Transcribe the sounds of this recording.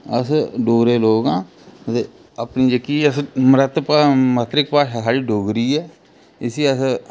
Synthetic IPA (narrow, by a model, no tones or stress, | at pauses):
əsɖoːɾeːloːɡãː | ət̪eː | əpniːd͡ʒəkiːəsmɾət̪pamət̪ɾɪk̚paːʃasaːɽiːɖoːɡɾiːɛː | ɪsiːəs